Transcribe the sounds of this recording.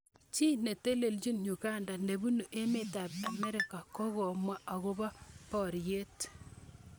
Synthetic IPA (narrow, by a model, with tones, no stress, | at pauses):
t͡ʃi˦ne˨te˦le˨ld͡ʒi˦nɲu˨ɡa˦nda˨ne˨bu˦nu˨ʔe˦me˦˨ta˨pa˨mɛ˦ɾɪ˨ka˨kɔ˦ɣɔ˨mwa˦ʔa˨ɣo˦ba˦pɔ˨ɾje˦t